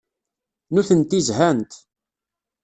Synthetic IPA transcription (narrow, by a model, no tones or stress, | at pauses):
nuθənt̪izɦænt̪